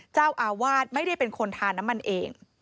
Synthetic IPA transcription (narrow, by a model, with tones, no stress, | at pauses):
t͡ɕaː˥˩wʔaː˧waː˥˩t̪̚ma˥˩jɾa˥˩jpe˧nkʰo˧nt̪ʰaː˧nːa˦˥mːa˧nʔeː˧ŋ